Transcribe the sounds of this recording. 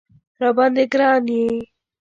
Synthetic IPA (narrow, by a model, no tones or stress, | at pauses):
ɾabɑnd̪eɡɾɑne